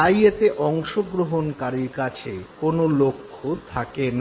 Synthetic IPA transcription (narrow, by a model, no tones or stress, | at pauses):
ajet̪eʔɔŋʃoɡɾoɦonkaɾiɾkat͡ɕʰekonolokʰːot̪ʰaken